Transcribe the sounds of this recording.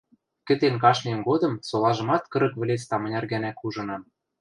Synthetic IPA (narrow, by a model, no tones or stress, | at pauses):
kɘ̆t̪enkɑʃnʲemɡod̪ɤ̆msolɑʒɤ̆mɑt̪kɤ̆ɾɤ̆kβɘ̆lʲet͡st̪ɑmɤ̆nʲɑrɡænækuʒɤ̆nɑm